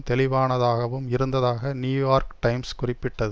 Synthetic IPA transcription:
t̪ɛlɪʋaːnɐðaːɣɐʋɯmɪɾɯnd̪ɐðaːɣɐnjuːjaːɾkʈɐɪmskʊrɪpːɪʈːɐðɯ

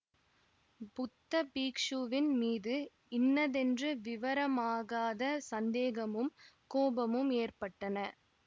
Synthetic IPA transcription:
pʊt̪ːɐpiːkʂuʋɪnmiːðɯ | ɪnːɐðɛndrɯʋɪʋɐɾɐmaːɣaːðɐsɐnd̪eːɣɐmɯmkoːbɐmɯmeːrpɐʈːɐnɐ

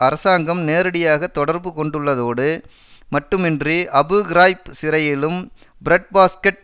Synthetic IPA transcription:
ɐɾɐsaːŋɡɐmneːɾɐɽɪjaːɣɐt̪ːɔɽɐɾbɯkɔɳɖɯɭːɐðoːɽɯ | mɐʈːɯmɛndriʔɐbɯɡɪɾaːjpsɪɾɐjɪlɯm | bɪɾɐʈ̚baːskɛʈ̚

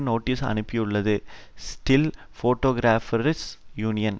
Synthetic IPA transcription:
noːʈːisɐ̰nɯpːɪjɯɭːɐðɯsʈɪl | foːʈːoːɡɾaːfɐɾɪsjuːnɪjɐn

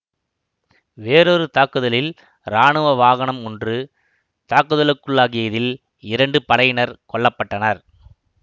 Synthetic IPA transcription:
ʋeːɾoːɾɯt̪aːkɯðɐlɪl | ɾaːɳɯʋɐʋaːɣɐɳɐmɔndrɯ | t̪aːkɯðɐlɯkːɯɭːaːɣɪjɐðɪl | ɪɾɐɳɖɯpɐɽɐjɪnɐɾkɔɭːɐpːɐʈːɐnɐɾ

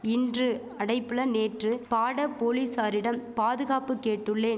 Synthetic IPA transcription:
ɪndrɯ | ɐɽɐɪpːɯɭɐneːʈrɯpaːɽɐpoːliːsaːɾɪɽɐmpaːðɯɣaːpɯkːeːʈːɯɭːeː

